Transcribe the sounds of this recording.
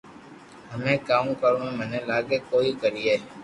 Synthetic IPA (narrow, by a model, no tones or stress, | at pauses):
ɦəmẽːkaːmkəɾõːẽːmənẽːlaːɡeːkoːiːkəɾiːɦeː